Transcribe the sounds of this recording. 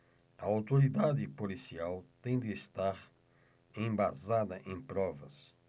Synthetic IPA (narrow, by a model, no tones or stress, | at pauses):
ɐawt̪oɾid̪ad̪ɪpolisiawt̪ẽj̃d̪ɪːst̪aɾ | ẽj̃bazad̪ɐʔẽj̃pɾɔvɐs